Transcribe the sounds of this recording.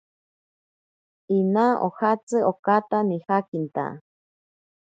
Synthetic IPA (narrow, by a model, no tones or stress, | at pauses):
inaʔo̰hat͡sɨokat̪anihakint̪a̰